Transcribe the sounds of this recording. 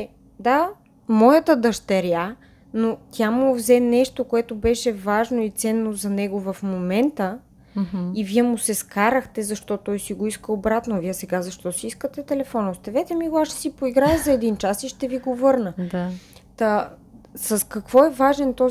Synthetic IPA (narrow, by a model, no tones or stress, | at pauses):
d̪a | mɔjət̪əd̪ɐʃt̪ɐɾja | not̪ʲjamʊvzɛnɛʃt̪okoɛt̪obɛʃɛvaʒnoit̪sɛnːozɐnɛɡovɐfmomɛnt̪ə | iviɛmʊsɛskaɾəxt̪ɛzɐʃt̪ɔt̪ɔjsiɡoiskəobɾat̪noviɛsɛɡazɐʃt̪ɔsiiskət̪ɛt̪ɛlɛfɔnost̪ɛvɛt̪ɛmiɡoaʃsipoiɡɾaəzɐɛd̪int͡ʃasiʃt̪ɛviɡovɤɾnəat̪ə | səskɐkvɔɛvaʒɛnt̪ɔ